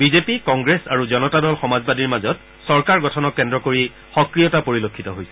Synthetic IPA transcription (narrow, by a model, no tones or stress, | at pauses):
bizepikɔŋɡɹesaɹuzɔnɔtadɔlxɔmazbadiɹmazɔt | sɔɹkaɹɡɔtʰɔnɔkːɛndɹɔkoɹi | xɔkɹijɔtapoɹilokʰːitɔɦojsɛ̥